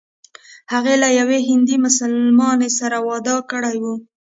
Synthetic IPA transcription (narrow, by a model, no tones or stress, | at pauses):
haɣelajaweɦɪnd̪imʊsalmɑnesaɾawɑd̪ɑkəɽajwu